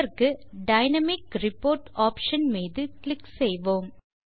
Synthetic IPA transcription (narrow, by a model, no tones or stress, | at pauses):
ɐɾkɯɖɐɪnɐmɪkɾɪpːoːɾʈaːpʂɐnmiːðɯklɪksɛjʋoːm